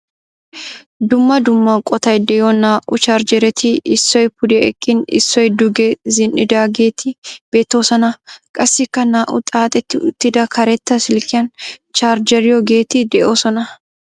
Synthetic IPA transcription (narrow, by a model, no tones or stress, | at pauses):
d̪ʊmːɐd̪ʊmːɐkʼɔt̪ɐjd̪ɛjɔnaːʔʊt͡ʃaːɾd͡ʒɛɾɛt̪ʰɪʔɪsːɔjpʊd̪ɛɛkʼːɪnɪ̰sːɔjd̪ʊɡɛzɪnʔɪd̪aːɡeːt̪ʰɪb̥e̞ːt̪ːo̞ːsɐnɐkʼɐsːɪkːɐnaːʔʊ̰t̪ʼaːt̪ʼɛt̪ːɪʊt̪ːɪd̪ɐkʰɐɾɛt̪ːɐsɪlkɪjɐnt͡ʃaːɾd͡ʒɛɾɪjɔɡeːt̪ɪd̪ɛʔoːsɔnɐ